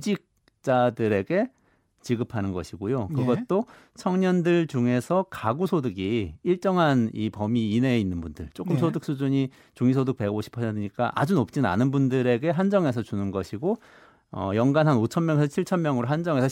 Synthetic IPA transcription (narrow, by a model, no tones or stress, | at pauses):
d͡ʑik̚ | t͡ɕ͈adɯɾe̞ɡe̞ | t͡ɕiɡɯpʰanɯnɡʌɕʰiɡojokɯɡʌt̚t͈o | t͡ɕʰʌŋɲʌndɯɭt͡ɕuŋe̞sʰʌkaɡusʰodɯɡiiɭt͡ɕ͈ʌŋɦanipʌmiːne̞inːɯnbundɯɭt͡ɕ͈ok͈ɯmsʰodɯk̚s͈ud͡ʑuɲi | t͡ɕuŋisʰodɯk̚pe̞ɡoɕʰi̥pʰʌsʰentʰɯɲik͈aʔa̰d͡ʑunop̚t͡ɕ͈ina̰nɯnbundɯɾe̞ɡe̞ɦand͡ʑʌŋe̞s̬ʰʌt͡ɕunɯnɡʌɕʰiɡo | ʌ̰jʌŋɡanɦanot͡ɕʰʌnmjʌŋesʰʌt͡ɕʰiɭt͡ɕʰʌnmjʌŋɯɾoɦand͡ʑʌŋe̞sʰʌ